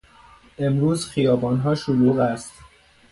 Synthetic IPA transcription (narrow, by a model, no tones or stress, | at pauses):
ʔe̞mɾuːzxijɒːbɒːnɦɒːʃoluːɣæst̪